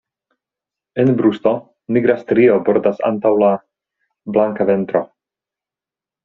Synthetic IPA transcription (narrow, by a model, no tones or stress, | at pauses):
enbɾust̪o̞ | miɡɾast̪ɾio̞boɾdasa̰ntawla | blaŋkave̞nt̪ɾo̞